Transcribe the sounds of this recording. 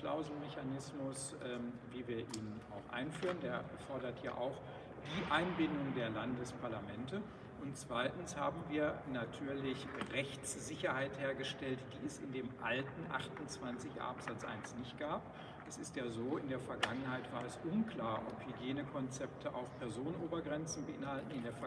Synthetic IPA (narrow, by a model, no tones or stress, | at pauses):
la̰ʊzl̩mɛçanɪsmʊs | ʔɛːmviːviːɐʔiːnənaʊxʔa̰ɪnfyːʁəndeːɐ | fɔɐdɐtja̰ːʔaʊx | d̥iːʔaɪnbɪndʊŋdeːɐlandəspʰaɐlamɛntə | ʔʊntt͡sv̥aɪtn̩shaːbm̩viːɐnatʰyːɐlɪçʁɛçt͡sz̥ɪçɐhaɪtheːɐɡəʃtɛltd̥iːɛsɪ̰ndeːmʔa̰ltn̩ʔa̰χtʊnt͡sv̥ant͡sɪça̰ːpz̥at͡sʔa̰ɪnsnɪçt̚ɡ̥aːp | ʔɛsɪstjaːzoːɪndeːɐfɛɐɡaŋənhaɪtv̥aːɐɛsʔʊnkl̥aːɐʔɔ̰phyɡjeːnəkʰɔnt͡sɛptʰəʔa̰ʊfpʰɛɐzoːnənʔoːbɐɡʁɛnt͡sn̩bəʔɪ̰nhaltn̩ɪndeːɐf